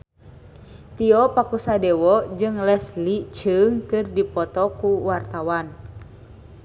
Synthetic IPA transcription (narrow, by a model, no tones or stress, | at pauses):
t̪iɔpakusadɛwɔd͡ʒɨŋlɛslit͡ʃɨŋkɨrdipɔt̪ɔkuwart̪awan